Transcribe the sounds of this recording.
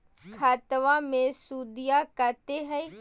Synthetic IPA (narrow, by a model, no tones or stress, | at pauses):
kʰaːt̪əʋamẽsuːd̪ijakət̪eɦəi